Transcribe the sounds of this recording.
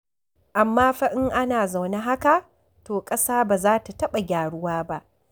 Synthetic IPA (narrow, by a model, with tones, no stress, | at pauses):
ʔa˨mːaː˦ɸɐ˦ʔɪ˦ŋʔa˦naː˨za˨wna˦ɦa˦ka˨ | toː˨kʼɐ˦saː˦baː˨zaː˦ta˨tɐ˦ɓa˨ɡʲaː˨ɽʊ˦waː˦ba˦ʔ